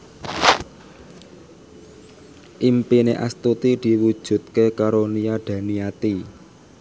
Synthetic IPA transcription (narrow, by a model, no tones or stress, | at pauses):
ʔimpineʔa̰st̪ut̪id̪̥i̤wud̥ʒ̥ṳt̪̚kekaɾoniaɖ̪̥ä̤niat̪i